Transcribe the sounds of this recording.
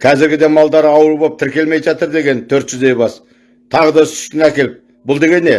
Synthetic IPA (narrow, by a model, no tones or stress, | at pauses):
kʲʰɑzɪɾɡʲɪd̪e̞mɑlˠd̪ɑɾɑwəɾbɑp̚t̪ʰɪɾkʲe̞lme̞jʒɑt̪əɾd̪e̞ɡʲe̞nt̪ʰɵɾt̪ʒ̥ʏzd̪e̞jbɑs | t̪ʰɑʁəd̪ɑʏsʏ̥st̪ʲɪnækʲe̞lɪp̚ | bʊlˠd̪e̞ɡʲe̞nːe̞